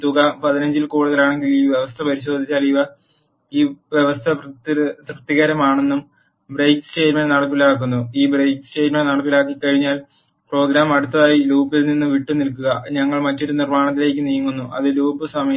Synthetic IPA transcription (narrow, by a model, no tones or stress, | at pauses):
t̪uɣɐpɐðinɐɲd͡ʑilkuːɽuðɐlaːɳe̞ŋɡiliːʋjeʋɐst̪ʰɐpɐɾiɕo̞ːd̪ʱit͡ɕːaːliʋɐ | iːʋjeʋɐst̪ʰɐprɨtrɨt̪ːiɣɐɾɐmaːɳenːum | brejkɨ̥t͡ɕe̞ːɾmɐnnɐɽɐp̬ːilaːk̬ːunːuiːbrejkt͡ɕe̞ːɾmɐnnɐɽɐp̬ːilaːk̬ːikːɐɻiɲːaːl | pro̞ːɡɾaːmɐɽut̪ːɐðaːjiluːpːilninːɨʋiʈːɨnilkːuɣɐɲɐŋːɐɭmɐtːoɾɨnirmaːɳɐt̪̬ːile̞ːk̬ʲːɨnijŋːunːuʔɐ̰ðɨluːpːɨsɐmɐɐ